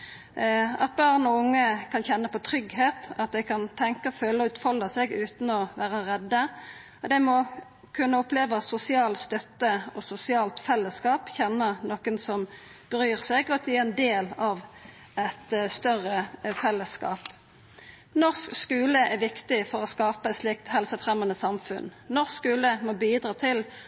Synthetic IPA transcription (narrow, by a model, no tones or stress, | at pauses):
ɑ̰t̪̚bɑʁnɔʊŋːəkʰɑnçɛnːəpɔt̪ʰʁʏɡheːt̪ɑt̪̚d̪ɛkʰɑnt̪ʰɛŋkəføːləɔʉːt̪fɔlːəsɛɡʉːt̪n̩ɔʋæːʁəʁɛd̪ːə | ɔd̪ɛmɔ | kʰʉnːəʊpleːʋəsʊsɪɑːlst̪œt̪ːəɔsʊsɪɑːlt̪fɛlːəskɑːpçɛnːənoːkənsɔm | b̥əʁyːʁsɛɡɔt̪ʰɪɛnd̪eːlɑʋ | ɛt̪st̪œʁəfɛlːəskɑ̰ːp | nɔʁskskʉːləʔɛɾʋɪkt̪ɪfɔʁɔskɑːpəɛt̪slɪk̚t̪hɛlsəfʁɛmːɑnəsɑmfʉ̰nnɔskskʉːləmɔbiːd̪ɾɑːt̪ʰɪl